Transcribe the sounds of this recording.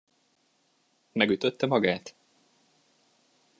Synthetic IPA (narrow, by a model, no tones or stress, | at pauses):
mɛɡyt̪øt̪ːɛmɒɡaːt̪